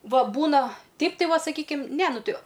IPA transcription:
ˈʋɐ ˈbuːnɐ ˈtʲɛɪp tɐɪ ˈʋɐ sɐˈkʲiːkʲɪm nʲɛ ˈnʊ ˈtʲɪ

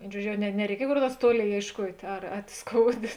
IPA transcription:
ˈʋʲeːɪn ˈʒuɔd͡ʒʲoː ˈjɛʊ nʲɛ nʲɛrʲɛɪˈkʲiɛj koːr ˈnuɔrs ˈtuɔˌlʲeːɪ eːɪʃˈkuɔtʲ ɐr ɐt ˈskoːʊˌdʲeː

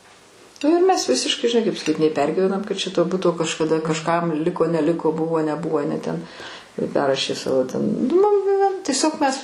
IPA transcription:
nʊ ɪr ˈmʲɛs ˈʋʲɪsʲɪʃkɐɪ ʒʲɪˈnɐɪ kɐɪp sɐˈkʲiːt nʲɛɪ ˈpʲɛrʲɡʲiːʋʲɛnɐm kɐt t͡ʃʲɛ toː ˈbʊtoː kɐʃkɐˈdɐ kɐʃˈkɐm ˈlʲɪkoː nʲɛˈlʲɪkoː ˈbʊʋoː nʲɛˈbʊʋoː ɐˈnʲɛ tʲɛn ˈpʲɛrrɐʃʲeː ˈsɑːʋoː tʲɛn nʊ mʊm tʲiɛˈsʲoːk mʲɛs

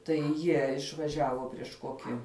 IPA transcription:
tɐɪ ˈjiɛ ɪʃʋɐˈʒʲæːʋoː pʲrʲiɛʃ ˈkoːkʲɪ

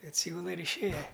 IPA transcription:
ɐtʲˈsʲiːɡʊlˠɐ ɪr ɪʃʲˈeːjɛ

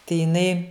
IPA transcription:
tɐɪ jɪˈnɐɪ

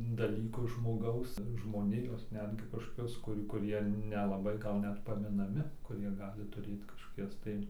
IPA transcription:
dɐˈlʲiːkʊ ʒmoːˈɡɐʊs ʒmoːˈnʲɪjoːs ˈnʲæːdʲɡʲɪ kɐʃˈkoːkʲʊs kʊˈrʲuː kʊˈrʲiɛ nʲɛlˠɐˈbɐɪ ˈɡɐlˠ ˈnʲɛt pɐmʲɪnɐˈmʲɪ kʊˈrʲiɛ ˈɡɑːlʲɪ tʊˈrʲeːt kɐʃkoːˈkʲɛs tɐɪ

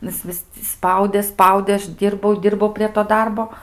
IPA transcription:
ˈnʊ ˈjɪs ˈʋʲɪs tʲɪ ˈspɐʊdʲeː ˈspɐʊdʲeː ˈɐʃ ˈdʲiːrbɐʊ ˈdʲiːrbɐʊ pʲrʲiɛ toː ˈdɐrboː

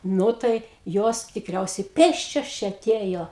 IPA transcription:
ˈnʊ tɐɪ ˈjoːs tʲɪkˈrʲɛʊsʲɛɪ ˈpʲeːsʲt͡ʃʲoːs ˈt͡ʃʲɛ ɐˈtʲeːjoː

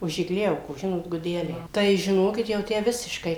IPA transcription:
ʊʃ ɪɡˈlʲɛʊkoːs ˈʒʲɪnoːt ɡʊˈdʲæːlʲɛɪ ˈtɐɪ ˈʒʲɪnoːkʲɪt jɛʊ ˈtʲæː ˈʋʲɪsʲɪʃkɐɪ

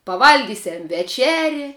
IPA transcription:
pɐˈʋɐlʲɡʲiːsʲɛm ʋʲɛˈt͡ʃʲæːrʲɪ

